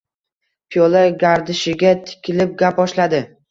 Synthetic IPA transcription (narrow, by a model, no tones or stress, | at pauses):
pʰijolaɡʲaɾd̪ɪʃɪɡʲat̪ʰɪ̥kʲʰɪlɪp̚ɡʲapɒʃlad̪ɪ